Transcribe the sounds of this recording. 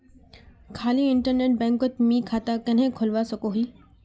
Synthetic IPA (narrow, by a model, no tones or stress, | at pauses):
kʰaːliɪɳʈəɾneːʈ̚bɛ̃ːŋkət̪mĩkʰaːt̪akɐnɦẽkʰʊlʋasɐɡoɦiː